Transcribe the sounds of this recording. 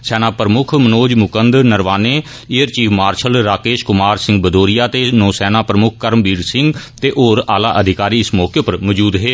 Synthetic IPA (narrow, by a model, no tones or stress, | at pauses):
sɛːnaːpɾəmʊkʰmənoːd͡ʒmʊkənd̪nəɾʋaːneː | ɪjəɾt͡ʃiːfʰmaːɾʃəlɾaːkeːʃkʊmaːɾsɪ̃ŋɡbəd̪oːɾijaːt̪eːnoːsɛːnaːpɾəmʊkʰkəɾəmbiːɾsɪ̃ŋɡt̪eːʔoːɾaːlaːʔəd̪ʱɪkaːɾiːɪsmɔːkepəɾməːd͡ʒuːd̪ɦeː